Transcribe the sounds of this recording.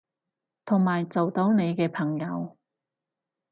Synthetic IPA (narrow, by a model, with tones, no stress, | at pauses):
t̪ʰʊ˨˩ŋmaː˨˩jt͡so˨wt̪o˨˧˥wne˨˧jkɛː˧pʰɐ˨˩ŋjɐ˨˧w